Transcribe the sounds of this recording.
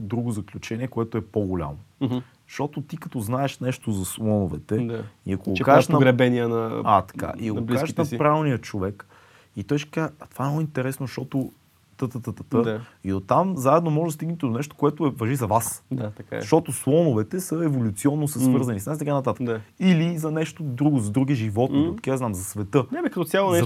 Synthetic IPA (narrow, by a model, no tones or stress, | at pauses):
d̪ɾuɡʊzɐklʲut͡ʃɛniɛkoɛt̪ʊɛpoɡolʲa̰mo | ʃt̪ɔt̪ot̪ikɐt̪ɔznaɛʃnɛʃt̪ozɐslˠɔnovɛt̪ɛd̪aiɐkoɡokazɛʃnɐɡɾɛbɛniənɐat̪ɐ̥ka̰ʔiɡoblkiazʃnɐpɾaɛlnijət͡ʃovɛk | it̪ɔjʃkat̪o̥vaɛmnoint̪ɛɾɛsnoʃt̪ɔt̪o | t̪ət̪ət̪ət̪ə̥t̪əiot̪ːamzaɛd̪nomɔʒd̪ɐst̪iɡnt̪ɛd̪onɛʃt̪o̥koɛt̪ʊɛvɐʒizɐvasd̪aɐka̰ʃt̪ɔt̪oslˠɔnʊvɛt̪ɛsəɛvolʲut̪siɔnːosɛsvɤɾzɐnisnasit̪ɐkanɐt̪at̪əkilizɐnɛʃt̪od̪ɾuɡʊzɐd̪ɾuɡ̟iʒivɔt̪niot̪kiznamzɐsvɛt̪ɤɛbɛkət̪ɔsʲjalˠonɛ